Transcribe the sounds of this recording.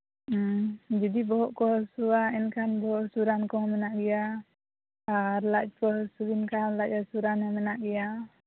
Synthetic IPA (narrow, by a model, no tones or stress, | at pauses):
d͡ʒadibɔɦɔʔkɔsuainkanbɔɦɔʔsuɾankɔhmənaʔɡija | aɾlat͡ʃ̚kɔsuinkanlat͡ʃasuɾanamənaʔɡija